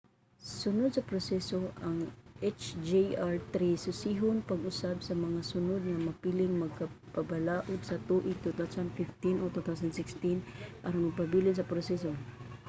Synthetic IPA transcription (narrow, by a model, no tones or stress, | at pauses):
sʊnʊd̪̚sɐpɾosɛsoʔaŋʔɛt͡ʃd͡ʒiaɹt̪ɾisʊsiɦʊnpɐɡʊsabsɐmɐŋasʊnʊd̪̚ŋɐmɐpilɪŋmɐɡ̚kapɐbalaːʔʊd̪̚sɐt̪uʔɪt̪ut̪awsand̪fɪft̪inʔot̪ut̪awsand̪sɪkst̪inʔaɾʊnmɐɡ̚pɐbilɪns̬ɐpɾosɛso